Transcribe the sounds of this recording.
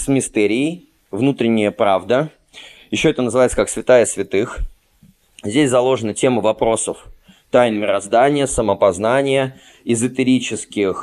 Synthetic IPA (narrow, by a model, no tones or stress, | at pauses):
smʲɪst̪ɛɾʲɪː | vnut̪ɾʲɪnʲːɪjəpɾavd̪ə | jɪɕːo̞ɛt̪ənəzɨvajɪtsəkaksvʲɪt̪ajəsvʲɪt̪ɨx | zʲdʲesʲzɐlˠo̞ʐɨnətʲe̞məvɐpɾo̞səf | t̪ajnʲmʲɪɾɐzd̪anʲɪjəsəməpɐznanʲɪjə | ɪzət̪ʲɪɾʲit͡ɕɪskʲɪx